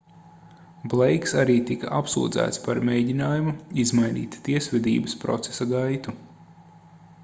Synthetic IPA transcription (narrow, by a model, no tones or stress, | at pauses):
blˠejksaɾiːt̪ika̰ʔapsṵːd̪zæ̰ːt̪spaɾmʲejɟinaːjumuizmajnḭːt̪t̪iɛsʋʲɛd̪ḭːbəspɾɔ̰t̪se̥saɡajt̪u